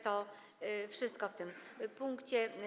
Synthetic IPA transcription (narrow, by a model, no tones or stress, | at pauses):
t̪ɔ | fʂɘst̪̚kɔft̪ɘmpuŋkt͡ɕɛ